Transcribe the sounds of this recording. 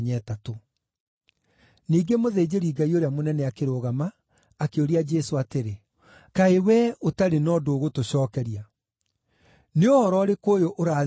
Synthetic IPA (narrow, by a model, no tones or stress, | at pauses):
ɲɛːtato | niːɡemoðeːd͡ʑeɾiːɡaioɾeamonɛnɛakeɾoːɣamaː | keoɾiad͡ʒɛsoateɾe | kaewɛotaɾenɔːdoːɣotoɕɔːkɛɾija | neohɔɾɔːɾekoːjoʔoɾaː